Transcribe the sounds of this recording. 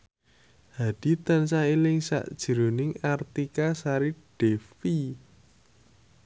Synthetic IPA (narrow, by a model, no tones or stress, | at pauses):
had̥i̤t̪ansailɪŋsa̰ʔd̥ʒ̥ə̤ɾonɪŋart̪ikasaɾiɖ̥ɛfi